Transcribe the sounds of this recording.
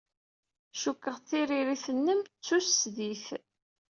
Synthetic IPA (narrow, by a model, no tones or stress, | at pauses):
ʃukːəʁθiɾiɾiθənːəmt͡sːusːðiθ